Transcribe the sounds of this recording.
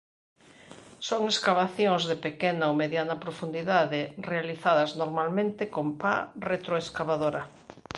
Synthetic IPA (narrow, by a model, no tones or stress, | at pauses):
soŋeskaβaθjõŋzðepekenaowmeðjanɐpɾofund̪iðaðɪrealiθaðɐznoɾmalmẽnt̪ekompa̰ret̪ɾoeskaβaðoɾɐ